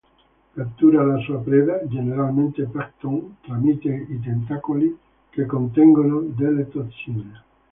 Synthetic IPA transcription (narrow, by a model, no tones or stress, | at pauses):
kap̚t̪uɾaalasuapɾeðad͡ʒeneɾalmẽnt̪epaɾt̪oŋt̪ɾamit̪eit̪̬ent̪akoli | kekont̪eŋɡonod̪elet̪ot̪sine